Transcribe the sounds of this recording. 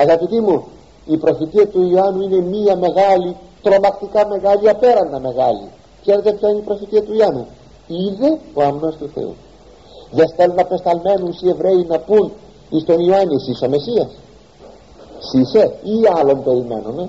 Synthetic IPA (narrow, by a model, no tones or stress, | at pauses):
ɐɣɐpit̪imu | ipɾo̞fit̪iɐt̪uioɐnuine̞miɐme̞ɣɐlit̪ɾo̞mɐkt̪ikɐme̞ɣɐliɐpe̞ɾɐnːɐme̞ɣɐlḭ | kse̞ɾe̞t̪e̞pçaineipɾo̞fit̪iɐt̪uiɐnu | iðe̞oɐmnost̪uθe̞̰ṵ | ðest̪elunɐpest̪ɐlme̞nunsie̞vɾe̞inɐpun | ist̪o̞nioɐnisiso̞me̞siɐs | siseiɐlo̞mpe̞ɾime̞̰nume̞